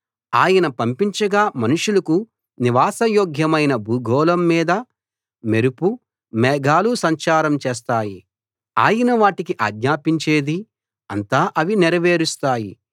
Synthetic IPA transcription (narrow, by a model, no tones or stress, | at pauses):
aːjɐnɐpɐmpiɲt͡ʃɐɡaːmɐnuʂulɐku | niʋaːsɐjoːɡʱjɐmɐjnɐbuːɡʱɔːlɐmːiːd̪ɐ | meɾupu | mɛːɡaːlusɐɲt͡ʃaːɾɐmt͡ʃeːs̬t̪aːji | a̰ːjɐnɐʋaːʈikiʔaːɡɲaːpiɲt͡ʃeːd̪i | ɐnt̪aːʔɐʋinɛɾɐʋe̞ːɾust̪aːji